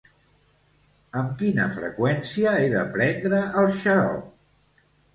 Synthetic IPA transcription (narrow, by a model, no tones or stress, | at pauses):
əmkinə̰fɾə̰kwɛnsiəeðəpɾɛnd̪ɾəːlˠʃəɾɔ̰